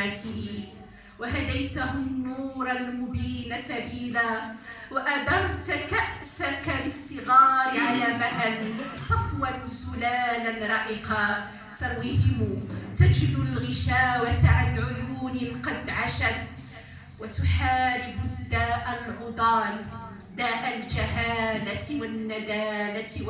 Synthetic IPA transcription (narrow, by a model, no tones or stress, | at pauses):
at̪iː | waɦad̪ajt̪aɦʊmnːuːɾˤalmʊbiːnasabiːlaː | waʔad̪ɑɾˤt̪kaʔsakalɪst̪ɪɣɑːɾɪʕalaːmaʔansˤɑfwansʊlaːnanɾˤɑʔɪqɑ | t̪ɑɾwɪhɪmːt̪ad͡ʒlʊlɣɪʃaːwat̪ʕanʕʊjuːnɪqɑd̪ʕaʃat̪ | wat̪ʊħaːɾɪbʊd̪ːaːʔalʕʊd̪ˤɑːn | d̪aːʔald͡ʒahaːlat̪wanːad̪aːla